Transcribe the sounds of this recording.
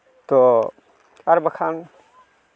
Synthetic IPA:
t̪o | ɐɾbɐkʰan

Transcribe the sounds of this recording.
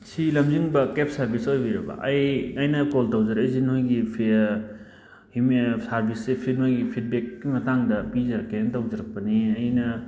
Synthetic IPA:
sʰilɐmziŋbɐkep̚saɾbʱisojbijɾaba̰ʔɐjɐjnɐkoltawzaɾajzinɦujɡipʰ | himsaɾbʱisepʰidnojɡipʰit̚bekːimɐtaŋdɐpizɐɾkentawzaɾak̚paniɐjnɐ

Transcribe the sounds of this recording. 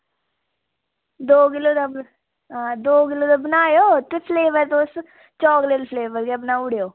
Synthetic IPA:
d̪oːɡɪlod̪ɐb | ɦãːd̪oːɡɪloːd̪əbnaːjoːt̪epʰleːʋəɾt̪oːst̪ | t͡ʃɔːɡlelpʰleːbəɾɡebnaːʊɽjoː

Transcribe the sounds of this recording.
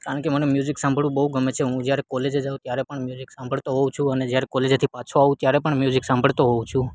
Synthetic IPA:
kaɾəɳkemənemjuzɪksãmbʱəɭũbəɦuɡəmet͡ʃʰeɦũd͡ʒjaɾekɔled͡ʒed͡ʒaũt̪jaɾepəɳmjuziksãmbʱəɭt̪oɦɔũt͡ʃʰũəned͡ʒjaɾɛkɔled͡ʒt̪ʰipat͡ʃʰoaʋũt̪jaɾɛpəɳmjuzɪksãmbʱəɭt̪oɦɔũt͡ʃʰũ

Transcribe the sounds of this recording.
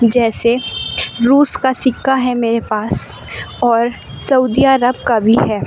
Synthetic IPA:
d͡ʒɛːse | ɾuːskasɪkːaɦɛmeːɾepaːs | ɔːɾ | sɐud̪iaːɾəb̚kabʱiɦɛː

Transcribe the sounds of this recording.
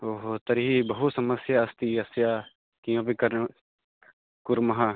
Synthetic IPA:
oːɦot̪ɐɾɦibɐɦusɐməsjaːst̪iɐsja | kijõbikɐɾ | kʊɾmɐɦã

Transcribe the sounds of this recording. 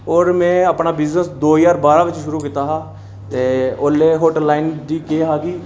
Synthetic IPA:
ɔːɾmɛ̃ːəpnaːbɪznəsd̪oːjaːɾbaːɾãːʋɪt͡ʃʃʊɾuːkɪt̪aɦaː | t̪eːoːleːɦoːʈəlːaːɪnɖiːkeːɦaːɡiː

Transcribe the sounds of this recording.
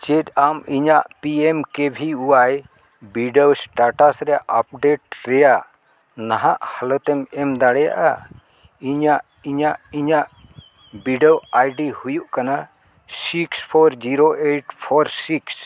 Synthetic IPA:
t͡ʃɛtamiɲaʔpiɛmkebʱiuwaj | biɖawsʈaʈasɾɛjaʔap̚ɖeʈ̚ɾɛjaʔ | naɦaʔhalɔt̪ɛmɛmd̪aɽɛja̰ʔa | iɲaʔ | iɲaʔiɲaʔ | biɖɔwajɖihujuʔkana | sikspʰɔɾd͡ʒiɾoʔeʈpʰɔɾsiks

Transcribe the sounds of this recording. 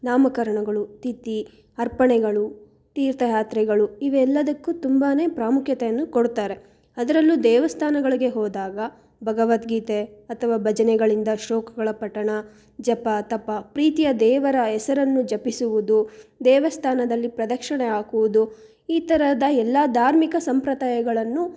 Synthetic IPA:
naːmɐkɐɾɐɳɐɡɐɭut̪it̪i | ɐɾpɐɳɛɡɐɭu | t̪iːɾt̪ɐjaːt̪ɾɛɡɐɭuiʋɛlːɐd̪ɐkːut̪umbaːne̞ːpɾaːmukʰjɐt̪ejɐnːukoɽt̪aːɾe̞ | ɐd̪ɐɾɐlːud̪ɛːʋɐst̪ʰaːnɐɡɐɭiɡe̞ɦɔːd̪aːɡɐ | bʱɐɡɐʋɐt̪ɡiːt̪eɐt̪ʰɐʋaːbʱɐd͡ʒɐnɛɡɐɭind̪ɐʃɔːkɐɡɐɭɐpɐʈːɐɳɐ | d͡ʒɐpːɐt̪ɐpːɐpɾiːt̪ijɐd̪ɛːʋɐɾɐɛsɐɾɐnːud͡ʒɐpisuʋud̪ud̪ɛːʋɐst̪ʰaːnɐd̪ɐlːipɾɐd̪ɐkʂɐɳɛaːkuʋud̪u | iːt̪ɐɾɐd̪ɐɛlːɐd̪ʱaːɾmikɐsɐmpɾɐd̪aːjɐɡɐɭɐnːu

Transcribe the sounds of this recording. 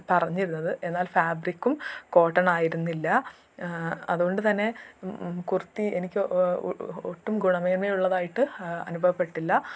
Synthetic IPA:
pɐrɐɲːiɾunːɐðɨʔe̞nːaːlfaːbrikʲːumko̞ːʈːɐnaːjiɾunːilːɐ | ɐ̰ðuɣo̞ɳɖɨt̪ɐnːe̞ | kurut̪ːienikʲːɨ | oʈːumɡuɳɐmɐjɐmeːuɭːɐðaːjiʈːɨɐ̰nubʱɐʋɐpːe̞ʈːilːɐ

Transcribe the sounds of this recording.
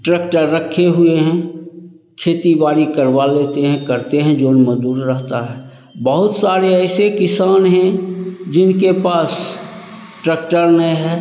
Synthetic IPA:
ʈɾeːk̚ʈəɾːəkʰːeɦʊeɦɛ̃ | kʰeːt̪ibaːɾikəɾʋaleːt̪eɦɛ̃kəɾt̪eɦɛ̃d͡ʒoːnməd̪uːɾɾəɦt̪aɦɛː | bəɦʊt̪saːɾeɛːsekɪsaːnɦɛ̃d͡ʒɪnkepaːs | ʈɾːkʈəɾnəɦɛː

